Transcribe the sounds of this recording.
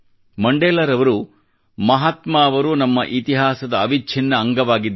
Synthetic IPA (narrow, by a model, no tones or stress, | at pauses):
mɐɳɖeːlɐɾɐʋɐɾu | mɐɦaːt̪maːɐʋɐɾunɐmːɐʔit̪iɦaːsɐd̪ɐːʋit͡ʃʰinːɐːŋɡɐʋaːɡid̪ː